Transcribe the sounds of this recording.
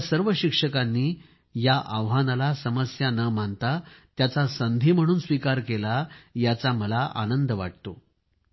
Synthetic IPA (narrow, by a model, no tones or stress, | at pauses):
səɾʋəɕikʂəkanːiː | jaʔaʋɦanalasəməsjanəm̤ant̪at̪jat͡sasənd̪ʱiːm̤əɽ̃uːnsʋikaɾkelajat͡sam̤əlaʔa̰nənd̪əʋa̰ʈ̚t̪o